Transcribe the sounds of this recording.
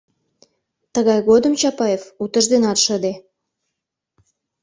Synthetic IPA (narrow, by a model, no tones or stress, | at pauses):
t̪əɣɑjɣod̪əmt͡ɕɑpɑefut̪əʒd̪enɑt̪ʃəd̪e